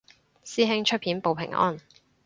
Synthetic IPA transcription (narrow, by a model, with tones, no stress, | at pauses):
siː˥ɦɪ˥ŋt͡ʃʰɵ˥t̚pʰiː˨˥npo˨wpʰɪ̰˨˩ŋʔɔ̰ː˥n